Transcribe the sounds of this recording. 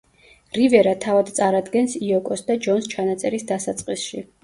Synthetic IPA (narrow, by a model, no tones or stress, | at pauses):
ɾivɛɾat̪ʰavad̪t̪sʼaɾad̪ɡɛnsiɔkʼɔsd̪ad͡ʒɔnst͡ʃʰanat̪sʼɛɾisd̪asat̪sʼqʼisʃi